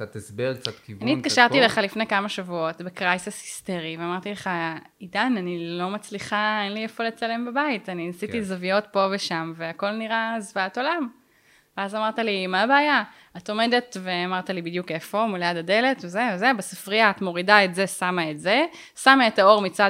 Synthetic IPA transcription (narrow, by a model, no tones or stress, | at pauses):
at̪sbeʁk̚t͡satkianit̪kaʃaʁttileχalifnekamaʃavuo̞tbekʁajsishi̥steʁiveamaʁt̪ileχa | idananilo̞mat͡sliχaenliefole̞t͡sale̞mbabaitaninasitizavijo̞tpo̞veʃamveako̞lniʁazvaato̞lam | veazamaʁtalimaːbeːja | ato̞me̞de̞tveamaʁtalibid̪juke̞fo̞muljadade̞le̞tvezevezebasafʁiaːtmo̞ʁidaetze̞samaetze | samaetao̞ʁmit͡sa